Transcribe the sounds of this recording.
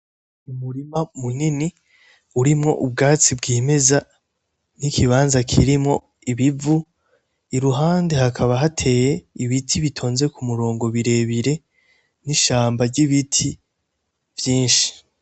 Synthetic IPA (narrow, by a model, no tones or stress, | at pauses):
umuɾimamunini | uɾimŋo̞̰ʔub̚ɡaːt͡sibɡiːme̞za | nikʰiβaːnzakʰiɾimŋo̞ | iβivu | iɾuɦaːnde̞hakʰaβaɦatʰe̞ːje̞iβitʰiβitʰo̞ːnze̞kumuɾo̞ːŋɡo̞βiɾe̞βiɾe̞ | niʃaːmbaɾɟiβitʰi | vjiːnʃi̥